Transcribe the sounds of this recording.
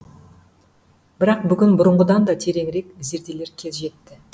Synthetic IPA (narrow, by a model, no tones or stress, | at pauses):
b̥ɪɾɑq̚bʏɡʲɪnbʊɾəɴʁəd̪ɑnd̪ɑt̪ʰe̞ɾe̞ŋɾe̞kze̞ɾd̪e̞le̞ɾkʲʰe̞zʒe̞t̪ːɪ